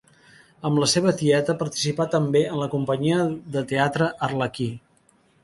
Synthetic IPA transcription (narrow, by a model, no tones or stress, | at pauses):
əmləseβət̪iɛt̪əpəɾt̪i̥sipat̪əmbeənləkumpəɲiəðət̪eat̪ɾəʔərləki